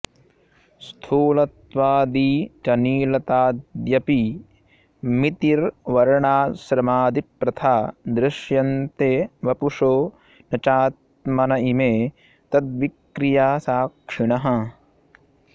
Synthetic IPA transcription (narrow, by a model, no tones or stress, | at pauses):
st̪ʰuːlɐt̪ʋaːd̪iːt͡ʃɐniːlɐt̪aːd̪jɐpi | mit̪iɾʋɐɾɐɳaːʃɾɐmaːd̪ipɾɐt̪ʰaːd̪ɾɪʃjɐnt̪eːʋɐpuʂoː | nɐt͡ʃaːt̪̚mɐnɐimeː | t̪ɐt̪ʋikɾijaːsaːkʂiɳɐɦɐ̆